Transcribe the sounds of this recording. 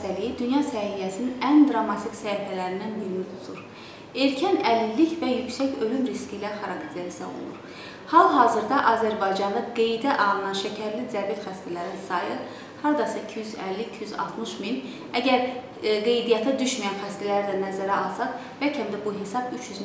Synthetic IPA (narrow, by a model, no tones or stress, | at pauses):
t̪ælijid̪ynjɑsæhijæsininʔænd̪ɾɑmːɑt̪ʰiksæifælæɾind̪ænbiɾinit̪ʰu̥t̪ʰuɾ | e̞ɾcʰænælinːicvæjycsæcø̞lymɾiscilæχɑɾɑkt̪ʰlæisæ̰o̰lˠṵɾ | hɑlˠɦɑːzɯɾd̪ɑʔɑzæɾbɑjd͡ʒɑnlˠɯɡe̞jd̪æʔɑlˠɯnɑnʃæcʰæɾlizæɾvijæt̪xæst̪ælæɾinsɑjɯ | hɑɾd̪ɑsɑicʰijyzælːiicʰijyzɑ̰lˠt̪ʰmɯʃmin | æɟæɾ | ɡe̞jd̪ijɑt̪ʰæd̪yʃmijænχæst̪ælæɾd̪ænæzæɾæɑlˠsɑχ | bæcʰæmd̪æbuɦe̞sɑbyt͡ʃʰjyz